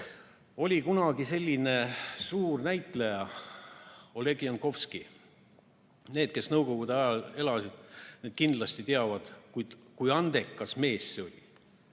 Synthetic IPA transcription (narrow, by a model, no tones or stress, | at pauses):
o̞lʲikunɑɡ̥ise̞lʲːine̞suːrnæjt̪ˑlejɑ | o̞le̞ɡiɑnko̞fski | ne̞ːd̪̥ke̞snɤwko̞ɡ̥ud̪̥eɑjɑle̞lɑsid̪̥neːd̪̥kind̪̥lɑsʲt̪it̪eɑvɑd̪̥kujd̪̥kujɑnd̪̥e̞kːɑsme̞ːsːeo̞lʲḭ